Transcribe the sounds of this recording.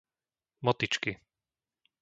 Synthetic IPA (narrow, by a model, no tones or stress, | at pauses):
mɔt̪it͡ʃki